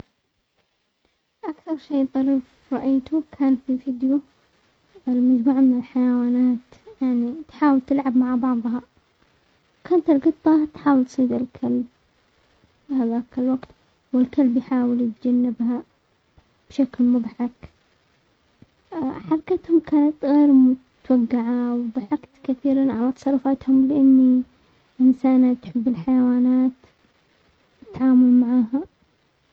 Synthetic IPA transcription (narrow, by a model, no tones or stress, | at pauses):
ʔakθɑɾˤʃeːðˤɑɾiːf | ɾˤɑʔajt̪ukʰaːnfifiːd̪ju | lmad͡ʒmuːʕmɪnɪlħajawaːnaːt̪jaʕnit̪ħaːwɪlt̪ɪlʕabmaʕbɑʕðˤɦɑ | kaːnt̪ɪlɡɨt̪ˤːɑt̪ħaːwɪlt̪ˤsˤiːd̪ɪlkʰalb̚ | haːðaʔkalwaɡt̪ | wɪlkalbjħaːwɪljɪt̪d͡ʒanːɪbha | b̥ʃaklmʊðˤħɑk | ħɑɾˤɑkat̪hʊmkaːnat̪ɣeːɾmʊ | t̪waɡːaʕawðˤɑħɑkt̪kaθiːɾanʕa̰lat̪ɑsˤɑrˤːʊfaːt̪hʊmlɪʔanːi | ʔɪnsaːnat̪ħɪbːɪlħajawaːnaːt̪ | ɪt̪ːaʕaːmʊlmaʕaːɦa